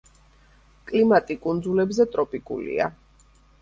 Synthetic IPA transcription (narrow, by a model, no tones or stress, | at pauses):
kʼlimat̪ʼikʼund̪zulɛbzɛt̪ʼɾɔpʼikʼṵlḭa̰